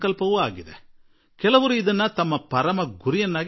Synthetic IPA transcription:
kɐlpɐʋuaːɡid̪ḛ | kɛlɐʋɐɾuid̪ɐnːɐt̪ɐmːɐpɐɾɐmɐɡuɾijɐnːaːɡ

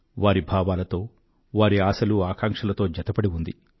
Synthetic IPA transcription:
ʋaːɾibʱaːʋaːlɐt̪o̞ː | ʋaːɾiaːsɐluaːkaːŋkʂɐlɐt̪o̞ːd͡ʒɐt̪ɐpɐɽiund̪i

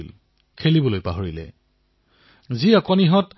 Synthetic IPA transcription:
il | kʰelibɔlojpaɦoɹilɛ̰ | ziɔkɔniɦɔt

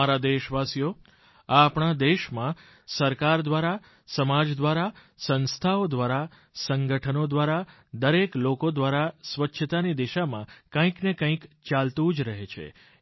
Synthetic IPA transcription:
aɾad̪eʃʋasijo | aːpɳad̪eʃmã | səɾkaɾd̪ʋaɾa | səmad͡ʒd̪ʋaɾa | sə̃nst̪ʰaod̪ʋaɾa | səŋɡəʈʰənod̪ʋaɾa | d̪əɾeklokod̪ʋaɾasʋətːʃʰət̪anid̪iʃamãkə̃ĩknekə̃ĩkt͡ʃalt̪ud͡ʒɾəɦet͡ʃʰḛ

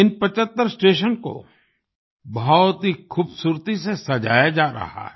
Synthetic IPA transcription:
ɪnpɐt͡ʃət̪ːəɾsʈeːʃənko̰ | bɔɔt̪ɦixʰuːbsuːɾt̪isesɐd͡ʒa̰ːjad͡ʒaːɾɐ̰ha̰ɦɛ

